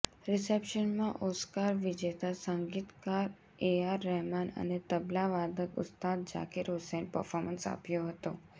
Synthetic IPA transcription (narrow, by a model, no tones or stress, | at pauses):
ɾisepʃənmãʔoskaɾʋid͡ʑet̪asəŋɡiːt̪kaɾ | eaɾːɛɦmanə̰net̪əblaʋad̪əkʊ̰st̪ad̪̚d͡ʒa̰kiɾɦusenpəɾfɔɾmənsa̰pjoɦət̪o